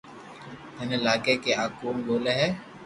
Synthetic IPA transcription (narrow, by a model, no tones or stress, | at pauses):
mɛːneɪlaːkekeaːkuːmboːleɦɛː